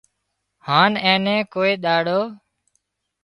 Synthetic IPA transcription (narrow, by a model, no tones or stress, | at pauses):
haːnẽːnẽːkoːeːɗ̪aːɽoː